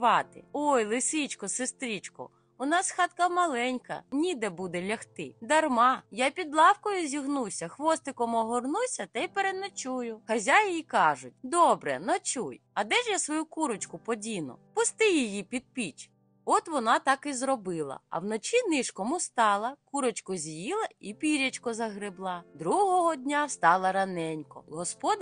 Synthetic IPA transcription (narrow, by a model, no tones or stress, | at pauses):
ʋɑt̪ɪ̰ɔjlˠɪsit͡ʃkɔsest̪ɾʲit͡ʃkɔ̰ | ʊnɑsxɑt̪̚kɐmɐlˠɛnʲkɐ̰nʲid̪ɛbud̪ɛlʲɐxt̪ɪd̪ɐrmɑjapʲid̪lˠɑwkɔjʊzʲiɦnusʲɐxʋɔst̪ɪkɔmɦɔrnusʲɐt̪ɐjpeɾenɐt͡ʃujʊxɐzʲajjikɑʒʊt̚ʲd̪ɔbɾɛ̰nɔt͡ʃujɐd̪ɛʒjasʋɔjukuɾɔt͡ʃkʊpɔdʲinʊ̰pʊst̪ɪjijipʲid̪̚pʲit͡ʃ | ɔt̪ʋɔnɑt̪ɑkizɾɔbɪlˠɐ̰ɐ̰wnɔt͡ʃinɪʃkɔmʊst̪ɑlˠɐkuɾɔt͡ʃkɔzʲjilˠɐipʲiɾʲɐt͡ʃkɔzɐɦɾɪblˠɑd̪ɾuɦɔɦɔdʲnʲast̪ɑlˠɐɾɐnɛnʲkɔ̰ɦɔspɔd̪